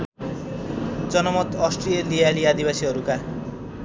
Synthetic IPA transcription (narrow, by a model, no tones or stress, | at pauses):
d͡zʌnɔmɔt̪ɔsʈɾielialiad̪ibasiɦʌɾuka